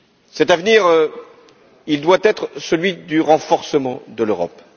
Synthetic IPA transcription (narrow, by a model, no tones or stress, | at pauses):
sɛt̪avniʁø | ild̪wat̪ɛt̪χsəlɥid̪yʁɑ̃fɔʁsəmɑ̃d̪əløʁɔ̰p